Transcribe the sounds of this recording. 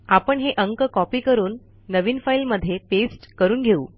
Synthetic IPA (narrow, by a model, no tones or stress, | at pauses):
apəɳɦeʔəŋkkɔpiːkəɾuːnː | əʋiːnfailməd̪ʱːjepesʈkəɾuːnɡʱeṵː